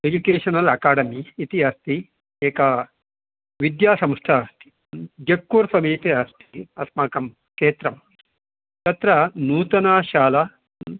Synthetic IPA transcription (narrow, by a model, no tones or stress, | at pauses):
ed͡ʒukeːʂɐnɐlɐkaːɽɐmiːt̪iɐst̪i | eːkɐ | ʋid̪jaːsɐmʂʈʰɐːst̪ʰi̥ | d͡ʒekːuːɾsɐmiːt̪iɐst̪ʰiɐsmaːkɐm | keːt̪ɾɐm | t̪ɐt̪ɾɐnuːt̪ɐnaːʃaːlɐ